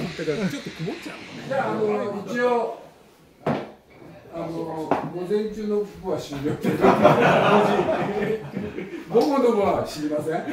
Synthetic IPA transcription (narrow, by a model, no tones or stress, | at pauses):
d̪akaɾt͡ɕot̪ːokimot͡ɕad͡ʑaːnoit͡ɕio | anoɡo̞zẽ̞ɲ̟t͡ɕɨːnoboβaɕimʲiɾot̪eɾood͡ʑi | ɡomonoboβaɕimʲimasẽ